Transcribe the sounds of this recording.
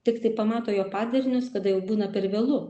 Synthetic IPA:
t̪ʲɪkt̪ɐɪpɐmɑːt̪oːjoːpɑːd̪ʲɐɾʲnʲʊskɐd̪ɐjɛʊbuːnɐpʲɛɾʋʲeːlˠʊ

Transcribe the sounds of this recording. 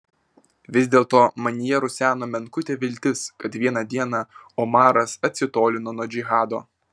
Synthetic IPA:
ʋʲɪzʲd̪ʲeːlˠt̪oːmɐnʲɪjɛɾʊsʲæːnoːmʲɛnkʊt̪ʲeːʋʲɪlʲt̪ʲɪskɐt̪ʋʲiɛnɑd̪ʲiɛnɑɔmɑːɾɐsɐt̪ʲsʲɪt̪oːlʲɪnoːnoːd͡ʒʲiɣɑːd̪o̰ː

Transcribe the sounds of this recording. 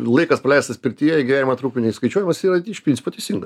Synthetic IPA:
lˠɐɪkɐspɐlʲɛˑɪst̪ɐspʲɪɾʲt̪ʲijɛjɛɡʲiʋʲæːnʲɪmɐt̪ɾuːkʲʊnʲɛɪskɐɪt͡ʃʲuɔjɪmɐsiːɾɐɪʃpʲɾnʲt͡sʲɪpoːt̪ʲɛɪsʲiŋɡɐs

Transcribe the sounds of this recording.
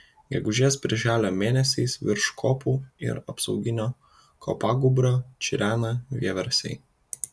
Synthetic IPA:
ɡʲɛɡʊʒʲɛːspʲɾʲɪʒʲæːlʲomʲeːnʲɛsʲɛɪsʋʲɪɾʃkʰoːpuɪ̰ɾɐpsɐʊɡʲɪnʲo | kʰɔ̰paːɡʊbɾot͡ʃʲiɾʲæːnɐʋʲɛʋʲɛɾsʲɛ̰ɪ

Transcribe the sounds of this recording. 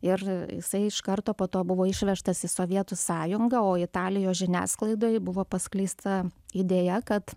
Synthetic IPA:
ɪrjɪ̰sɐɪɪʃkɐɾt̪oːpoːt̪oːbʊʋoːɪʃʲʋʲɛʃt̪ɐsɪsoːʋʲiɛt̪ʊsɑːjʊŋɡɐoːɪt̪ɑːlʲɪjoːsʒʲɪnʲæ̰ːsklˠɐɪd̪oːjbʊʋoːpɐsʲklʲiːst̪ɐid̪ʲeːjɛkɐt̪

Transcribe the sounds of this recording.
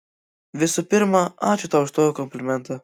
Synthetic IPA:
ʋʲɪsupʲɪɾmɐɑːt͡ʃʲʊt̪aːʊʃt̪oːjokɔmʲpʲlʲɪmʲɛnt̪ɐ

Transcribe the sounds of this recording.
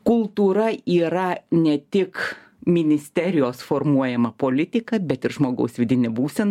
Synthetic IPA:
kʊlˠt̪uːɾɐiːɾɐnʲɛt̪ʲɪk | mʲɪnʲɪsʲt̪ʲɛɾʲɪjoːsfoːrmuɔjɛmɐpoːlʲɪt̪ʲɪkɐbʲɛt̪ɪɾʒmoːɡɐ̰ʊsʋʲɪd̪ʲɪnʲɛbuːsʲɛn

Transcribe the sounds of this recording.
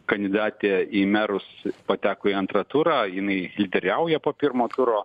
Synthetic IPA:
kɐnʲd̪ʲɪd̪ɑːt̪ʲeːiːmʲæɾʊspɐt̪ʲæːkoːiɐnt̪ɾɐt̪uɾɑːjɪnɐɪlʲɪd̪ʲɛɾʲɛʊjɛpoːpʲɪɾmoːt̪ʊɾoː

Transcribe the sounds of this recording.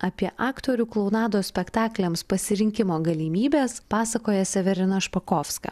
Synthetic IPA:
ɐpʲiɛʔɑːkt̪oːɾʲuːklˠɔʊnɑːd̪oːsʲpʲɛkt̪ɑːklʲɛmspɐsʲɪɾʲɪŋʲkʲɪmoːɡɐlʲiːmʲiːbʲeːspɑːsɐkoːjɛsʲɛʋʲɛɾʲɪnɐʃpɐkoːfskɐ̰ː

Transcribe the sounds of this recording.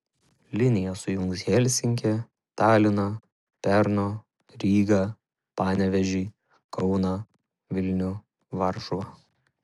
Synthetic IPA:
lʲɪnʲɪjɛsʊjʊŋksʲjeːlʲsʲɪŋʲkʲɛ | t̪ɑːlʲɪnɐ | pʲɛɾnoː | ɾʲiːɡɐ | pɑːnʲɛʋʲɛʒʲiː | kɒʊnɐ | ʋʲɪlʲnʲʊ | ʋɐɾʃʊʋɑ

